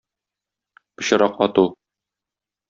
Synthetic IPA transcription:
pɤ̆ɕɤ̆ɾɑqɒt̪u

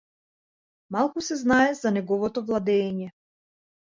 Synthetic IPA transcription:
malˠkusɛznaɛzanɛɡɔvɔt̪ɔvlˠad̪ɛːɲɛ

